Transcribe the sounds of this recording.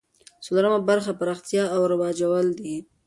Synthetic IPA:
solaɾəmabaɾxapaɾɑxt̪jɑawɾabɑd͡ʒawəld̪i

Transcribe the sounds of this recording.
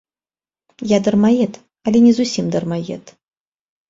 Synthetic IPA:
jad̪ɐrmajɛt̪ | ɐlʲɛnʲɛzusʲimd̪ɐrmajɛ̰t̪

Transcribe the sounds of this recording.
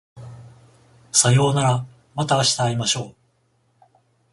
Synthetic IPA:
sajo̞ːnaɾa | mat̪aːɕi̥t̪aːimaɕo̞ː

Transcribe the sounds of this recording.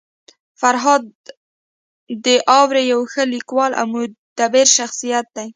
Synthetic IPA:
faɾɦɑd̪̚ | əʔɑwɾejawxəlikwɑlʔa̰wmud̪̥abɪɾʃaxsijat̪̚d̪aj

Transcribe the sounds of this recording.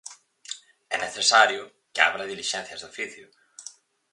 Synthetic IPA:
ɛ̰nːɛθɛsaɾjʊ | ca̰vɾaðilisɛnθjast̪afɪθju

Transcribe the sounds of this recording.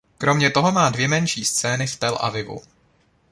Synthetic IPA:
kɾo̞mɲɛt̪o̞ɦo̞maːdvjɛmɛnʃiːst͡sɛːnɪft̪ɛlʔa̰vɪvṵ

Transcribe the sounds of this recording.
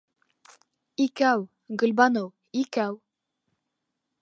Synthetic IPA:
ikæw | ɡɵ̆lʲbɑnɤw | ikæw

